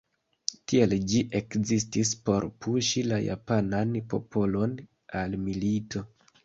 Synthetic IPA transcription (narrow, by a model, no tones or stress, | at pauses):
tield͡ʒiʔe̞kzistispo̞ɾpʰuʃilaja̰pananpo̞̰pʰo̞lo̞n | almilitʰo̞